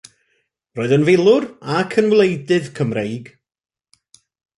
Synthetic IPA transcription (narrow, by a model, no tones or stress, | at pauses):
roːɨðənvɪlˠʊrakʰənvlˠejdɨðkʰəmrejɡ